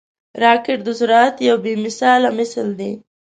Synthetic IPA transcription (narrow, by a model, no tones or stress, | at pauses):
ɾɑkɪʈ̚d̪əsʊɾɑt̪jawbemɪsɑlamɪsld̪e